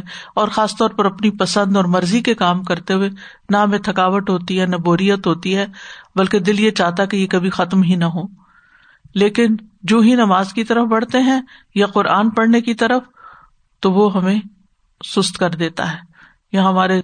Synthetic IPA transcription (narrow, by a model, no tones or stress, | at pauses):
ɔːɾxaːst̪ɔːɾpɐɾɐpnipɐsə̃nd̪ɔːɾmɐɾzikekaːmkɐɾt̪eɦʊe | nɐɦɐmẽt̪ʰɐkaːʋət̪ɦoːt̪iɦɛnɐboːɾijət̪ɦoːt̪iɦɛːbɐlked̪ɪljet͡ʃaːɦt̪aɦkejekɐbʱixɐt̪mɦinɐɦoː | leːkɪnd͡ʒoːɦinɐmaːzkit̪ɐɾəfbɐɽ̤t̪eɦɛ̃ | jaqʊɾʔaːnpɐɽnekit̪ɐɾəf | t̪oʋoɦɐmẽ | sʊst̪kɐɾd̪eːt̪a̰ɦɛː | jɐɦɐmaːɾe